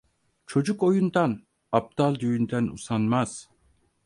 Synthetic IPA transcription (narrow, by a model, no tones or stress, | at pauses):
t͡ʃʰo̞d͡ʒuko̞jund̪an | ap̚d̪alˠd̪yjynd̪ænṵsanmaz̥